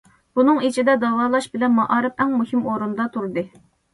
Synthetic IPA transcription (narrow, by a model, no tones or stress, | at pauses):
b̥unɨŋit͡ʃʰid̪ɛd̪ɑwɑːlˠɑʃbɪlɛnmɑʔɑːɾɨpɛŋmuhɪmoɾund̪ɑt̪ʰuɾd̪ɨ